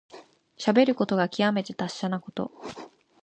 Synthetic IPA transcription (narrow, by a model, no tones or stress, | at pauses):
ɕabe̞ɾɯ̟ko̞t̪o̞ɡakʲiame̞t̪e̞t̪aɕːanako̞̥t̪o̞̰